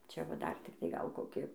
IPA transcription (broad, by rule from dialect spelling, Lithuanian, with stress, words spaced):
ˈt͡ʃʲɛ ʋɐ ˈdɐr tʲɪkˈtɐɪ ˈɡɐlˠ ˈkoːkʲɪ